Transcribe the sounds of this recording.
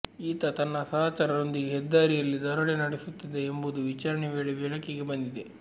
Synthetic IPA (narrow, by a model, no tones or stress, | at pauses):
iːt̪ɐt̪ɐnːɐsɐɦaːt͡ʃaːɾɐno̞nd̪iɡeɦɛd̪ːaːɾijɐlːid̪ɐɾɐɭenɐɽesut̪ːid̪eːmbud̪uʋit͡ʃaːɾɐɳeʋeːɭeʋɛɭɐkeɡe̞bɐnd̪id̪e